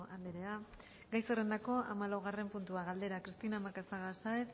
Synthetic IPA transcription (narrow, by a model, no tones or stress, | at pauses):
ald̪eɾea | ɡajsere̞nd̪ako̞a̰malawɣ̞are̞mpunt̪uaɣald̪e̞ɾakɾist̪inamakasaɣasajt̪